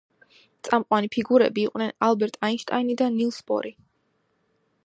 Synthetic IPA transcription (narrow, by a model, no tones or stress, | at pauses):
t̪sʼamqʼwanipʰiɡuɾɛ̰biːqʼnɛnalˠbɛɾt̪ʼainʃt̪ʼainid̪anilˠsbɔ̰ɾi